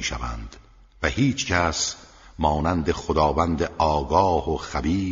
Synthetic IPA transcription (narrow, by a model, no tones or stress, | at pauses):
iːʃæ̰væ̰nd̪̥ | væhiːt͡ʃʰcʰæs | mɒːnænd̪eχod̪ɒːvænd̪eʔɒːɡɒːhoχæbiː